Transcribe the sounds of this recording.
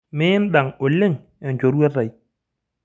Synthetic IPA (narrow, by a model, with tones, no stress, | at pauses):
mɪ˦nɗa˨ŋo˨lːɪ˦ŋ | ɛ˨ɲd͡ʒo˨ɾwɛ˦a˨j